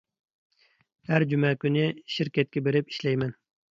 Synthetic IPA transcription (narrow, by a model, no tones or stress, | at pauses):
hæɾd͡ʒumɛkʲynɪʃiɾkʲɛt̪̚kʲɛbeɾɪpi̥ʃlɛjmɛn